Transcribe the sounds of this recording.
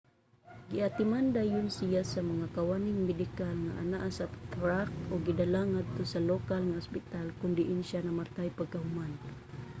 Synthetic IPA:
ɡiat̪imandajʊnsijasamaŋakawanɪŋmɛdikalŋa̰ʔa̰naʔasat̪ɾak̚oɡidalaŋad̪̚t̪osalokalŋaʊspit̪alkʊndiʔinʃanamart̪ajpaɡ̚kaɦuman

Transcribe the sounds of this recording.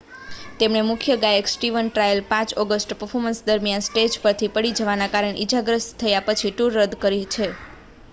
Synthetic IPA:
t̪emɳemʊkʰjəɡajeksʈiʋənʈɾajəlpãt͡ʃɔɡəsʈpəɾfʰoɾmənsd̪əɾmjansʈed͡ʒpəɾt̪ʰipəɽid͡ʒəʋanakaɾəɳʔid͡ʒaɡɾəst̪ʰəjapət͡ʃʰiʈuɾːəd̪kəɾit͡ʃʰe

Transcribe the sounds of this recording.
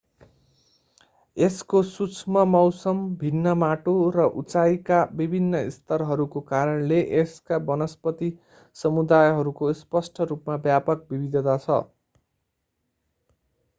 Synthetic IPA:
eskosut͡sʰmʌmʌwsʌmbʱinːʌmaʈorʌʔut͡sajkabibʱinːʌist̪ʌɾɦʌɾukokaɾʌɳleʔeskabʌnʌspʌt̪i | sʌmud̪ajɦʌɾukospʌsʈʰʌɾupmabjapʌk̚bibid̪ʱʌt̪at͡sʰʌ̰

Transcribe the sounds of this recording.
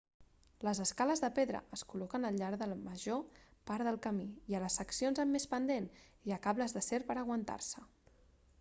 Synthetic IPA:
ləzəskaləzðəpeðɾə̰əskulɔkənəlʎaɾðəlməʒopaɾðəlˠkəmiiələsːəksionzəmːespənd̪eniəkaβləzðəseɾpəɾəɣ̞wənt̪a̰rsə

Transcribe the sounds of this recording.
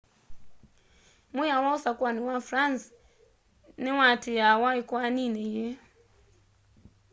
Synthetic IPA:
mujawausakwaniwafɾans | niwatijawaikwaninɛjɛ

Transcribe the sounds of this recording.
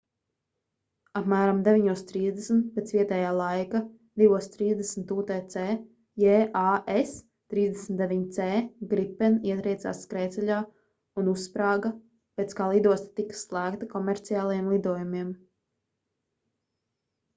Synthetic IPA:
apmæːɾamd̪ɛviɲuɔst̪ɾiːzd̪ɛsn̩t̪̚peɛt̪sviɛt̪ɛːjaːlˠajka | d̪ivuɔst̪ɾiːzd̪ɛsmt̪uːt̪ɛːt̪sɛː | jɛːʔaʔes | t̪ɾiːzd̪ɛsn̩t̪d̪evʲiɲt̪sɛːɡɾipɛniɛt̪ɾiɛt̪sa̰ːskɾɛːt̪sɛʎʲaː | unuspɾaːɡa | pɛːt̪skaːlˠid̪uɔst̪ḁt̪ikḁslˠæːkt̪akɔmɛɾt̪sijaːlˠajɛmlˠid̪uɔjumiɛm

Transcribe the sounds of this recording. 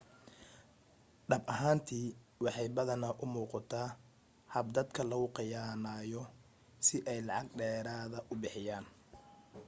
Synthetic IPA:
ɖɐbʔɐɦaːnt̪ʰiːwɑħɑjbɐðɐnɐʔʊmuːqɑt̪ʰaː | hɐb̚d̪ɐd̪kʰɐlɐɣʊqɪjaːnaːjɔ | sɪʔɛjlɑʕɑɡɖɛːɾaːðɐʔʊbɪħɪjaːn

